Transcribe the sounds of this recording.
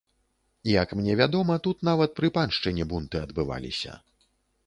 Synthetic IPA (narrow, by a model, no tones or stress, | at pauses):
ijɐkmnʲɛvʲad̪ɔmɐt̪ut̪navɐt̪̚pɾɨpanʂt͡ʂɨnʲɛbunt̪ɨɐd̪bɨva̰lʲḭsʲɐ̰